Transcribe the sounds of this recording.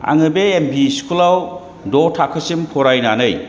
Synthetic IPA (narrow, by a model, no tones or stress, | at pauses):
a̰ŋɯbeːmbisi̥kʰulaw | dɔtʰakʰːəsimpʰɔɾajnanɯj